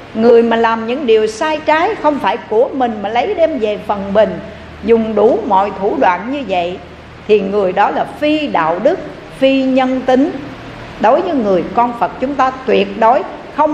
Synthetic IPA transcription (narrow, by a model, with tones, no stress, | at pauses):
ŋɨ˨˩əjmaː˨˩laː˨˩mɲɨ̰˧˥ŋɗi˨˩əwsaː˧jt͡ɕaː˨˦jxə˧wŋ͡mfaː˧˩jku˧˩əmï˨˩ŋ̟maː˨˩lə˨˦jɗɛ˧mve˨˩fə˨˩nɓï˨˩ŋ̟ | zʊ˨˩ŋ͡mɗu˧˩˦mɔ̰˧˨jt̪ʰu˧˩ɗwa̰ː˧˨nɲɨ˧və̰˧˨j | t̪ʰi˨˩ŋɨ˨˩əjɗɔ˨˦laː˨˩fi˧ɗa̰ː˧˨wɗɨ˦˥k̚ | fi˧ɲə˧nt̪ï˨˦ŋ̟ | ɗo˨˦jvɨ˨˦ŋɨ˨˩əjkɔ˧nfə˨˩t̚t͡ɕʊ˨˦ŋ͡mt̪aː˧t̪wi˨˩ət̚ɗo˨˦j | xə˧wŋ͡m